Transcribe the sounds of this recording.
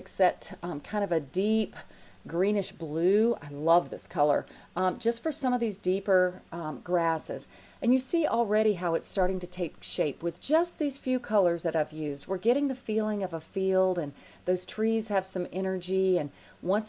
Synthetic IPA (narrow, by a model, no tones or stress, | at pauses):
ɨksɛp̚tkʰãɪ̃ndʌvɨdipɡɹĩnɨʃb̥lʉa̰ɪlʌvðɪskʰʌlˠə̰˞ | d͡ʒʌstfə˞sʌ̃mʌvðizdipə˞ɡɹæsɪ̰z | ʔɨ̃njɨsiʔl̩ˠɹɛɾiɦaʊɨtstɑɹɾɪ̃ŋtɨtʰeɪkʃeɪpwɨðd͡ʒʌst̪̚ðiz̥fjʉkʰʌlˠə˞zðɨɾaɪvjʉzd̚wɨɹɡɛɾɪ̃ŋðɨfilˠɪ̃ŋʌvəfilˠdɨ̃n | ðoʊz̥tʰɹ̥iz̥ɨv̥sʌ̃mɛɾ̃ə˞d͡ʒiɨ̃n | wʌ̃ns